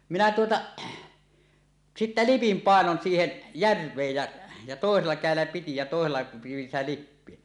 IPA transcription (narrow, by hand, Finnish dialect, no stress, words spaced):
minæ tuotɑ sitːæ lipim pɑˑenon siːhen jærʋˑeːj jæ jɑ toˑeselːɑ kæˑelːæ piti jɑ toˑeselːɑ pij̆in sitæ lipːie